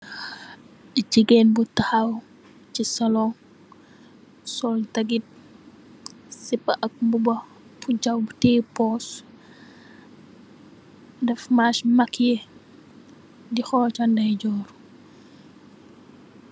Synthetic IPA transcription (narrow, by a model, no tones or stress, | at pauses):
d͡ʒiɡenbutɐhɐw | t͡ʃisɐlɔŋ | sɔltɐɡit̚ | sipːɐʔɐk̚mbubɐ | pud͡ʒɐwbutepɔs | dɛfmaʃmɐkʰje | dixɔːt͡ʃandɐjd͡ʒɔɾ